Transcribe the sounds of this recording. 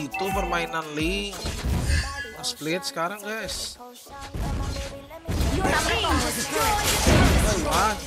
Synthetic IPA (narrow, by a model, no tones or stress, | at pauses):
ut̪upːərmainanliŋ | asplɪt̪̚sə̥kaɾaŋkəs | a